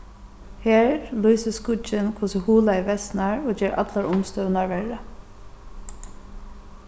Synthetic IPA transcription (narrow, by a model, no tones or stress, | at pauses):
heːɹlyːsəskʊt͡ʃɪnkʰvʊsəhuːlaiʋɛsnaɹoːd͡ʒɛːɹʔa̰t̪laɹʔʊmst̪œːnaɹʋɛɹə